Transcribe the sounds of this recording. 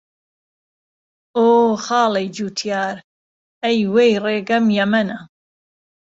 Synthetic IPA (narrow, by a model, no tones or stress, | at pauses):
oːxɑːlɐjd͡ʒuːt̪ʰjaːɾ | ɐjwejreːɡɐmjɐmɐnɐ